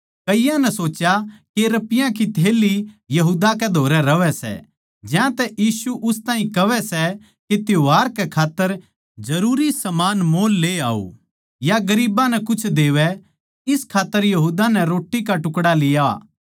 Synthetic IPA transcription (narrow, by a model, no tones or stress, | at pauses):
kɐɪjãnɛsoːt͡ʃjakeɾɐpɪjãkit̪ʰeːlijɐɦuːd̪akɛd̪ʱoːɾɛɾɐʋɛsɛ̰ | d͡ʒjãt̪ɛʔjiːsuʔʊst̪aːĩkɐʋɛsɛ | ket̪joɦaːɾkɛkʰaːt̪ːəɾ | d͡ʒɐɾuːɾisɐmaːnmoːlːeːa̰ːo̰ | jaɡɐɾiːbãnɛkʊt͡ʃʰd̪eːʋɛ | ɪskʰaːt̪ːəɾjɐɦuːd̪anɛɾoːʈːikaʈʊkɽalɪja